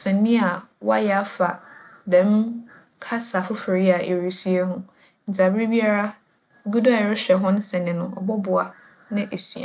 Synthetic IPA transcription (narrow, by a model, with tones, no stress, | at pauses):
sɛ̃˨nːĩ˦a˨wa̰˦jɛ˨a˦fa˨dɛ̃˨m˦ | kʰa˦sa˨fʊ˦fe˨ɾi˦a˨e˨ɾi˨sɥe˦ɦʊ̃˦ | n̩˨d͡za˨bi˦bi˦a˦ɾa˦ | ɡu˦dʊ˦a˨ɪ˨ɾɪ˦ɕᶣɛ˨ɦʊ̃˦n̩˦sɛ̃˨nɪ̃˨˦nʊ̃˨˦ɔ˨bʊ˦bʊ˨a˨ | nɪ̃˦ʔe˨sḭ˨ã̰˨